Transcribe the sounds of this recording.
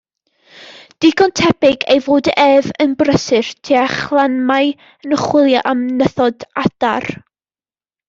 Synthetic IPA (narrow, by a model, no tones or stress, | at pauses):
d̥ɪɡɔntʰɛpɪɡejvoːdɛvənbrəsɨrtʰiaχlˠanmaj | ənəχwɪlˠjaʔamnəθɔdad̥a̰r